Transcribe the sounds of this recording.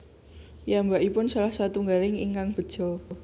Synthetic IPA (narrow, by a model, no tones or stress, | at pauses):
jambaʔipʊnsalahsat̪uŋɡalɪŋḭŋkaŋb̥ə̤d̥ʒ̥ɔ